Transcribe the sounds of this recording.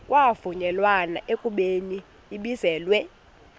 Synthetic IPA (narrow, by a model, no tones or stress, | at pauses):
kʼwavuɲɛlwana̰ʔekʼuɓeniː | ɓizɛːlwɛ